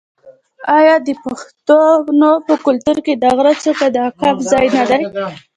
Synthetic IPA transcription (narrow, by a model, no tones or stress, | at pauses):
ɑjɑd̪əpaxt̪onopəkʊlt̪uɾked̪ɑɣɾat͡səkad̪əakɑpzɑjnad̪aj